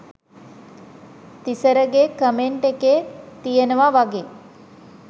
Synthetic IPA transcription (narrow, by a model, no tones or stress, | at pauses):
t̪isəɾəɡekəmeɳʈekeːt̪ijənəʋaʋaɡe